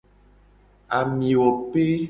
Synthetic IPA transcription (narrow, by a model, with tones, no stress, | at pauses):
a˨mĩ˨wɔ˨pe˦